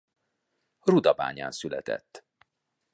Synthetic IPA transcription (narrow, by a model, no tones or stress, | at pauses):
rud̪ɒba̰ːɲa̰ːnsylɛt̪ɛ̰t̪ː